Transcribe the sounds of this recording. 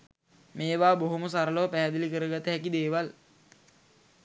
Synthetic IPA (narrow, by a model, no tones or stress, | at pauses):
meːʋaːboɦoməsaɾəloʋpæɦːd̪əlikəɾəɡat̪əɦækid̪eːʋal